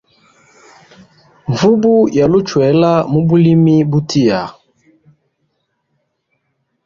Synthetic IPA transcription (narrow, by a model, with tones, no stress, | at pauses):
ɱvu˦bu˦ja˨lu˦t͡ʃwɛ˨˦la˦mu˦bu˦li˦mi˦bu˦tʰi˦ja˨